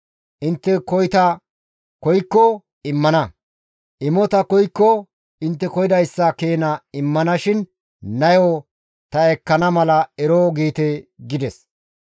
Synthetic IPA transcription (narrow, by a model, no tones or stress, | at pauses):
ʔɪnt̪ːɛkɔjt̪ɐ | kɔjkːɔ | ɪmːɐnɐ | ʔɪmɔt̪ɐkɔjkːɔ | ɪnt̪ːɛkɔjɪd̪ɐjsːɐkeːnɐɪmːɐnɐʃɪn | nɐjo | t̪ɐɛkːɐnɐmɐlɐɛɾoːɡeːt̪ɛɡɪd̪ɛs